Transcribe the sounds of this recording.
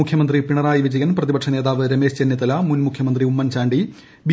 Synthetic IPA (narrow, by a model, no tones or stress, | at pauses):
ukʰjɐmɐnd̪ripiɳɐraːjiʋid͡ʑɐjɐnprɐðibɐʈʂɐneːðaːʋɨɾɐmeːʂt͡ɕenːjit̪ːɐlɐmunmukʰjɐmɐnd̪riumːɐnt͡ɕaːɳɖi | bi